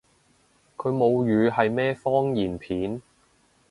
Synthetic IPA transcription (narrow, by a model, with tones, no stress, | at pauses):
kʰɵ˨˧ɥmo˨˧wjyː˨˧hɐ˨jmɛː˥fɔː˥ŋjiː˨˩npʰiː˨˥n